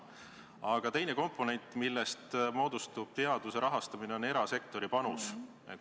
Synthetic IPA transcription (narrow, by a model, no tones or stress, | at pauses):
ɑɡ̥ɑt̪e̞jne̞ko̞mpːˑo̞ne̞nʲt̪ːˑmilːest̪mo̞ːd̪ust̪ub̥̚t̪e̞ɑd̪̥use̞ɾɑɦɑst̪ɑmine̞o̞ne̞ɾɑse̞kt̪o̞ɾipɑnus | e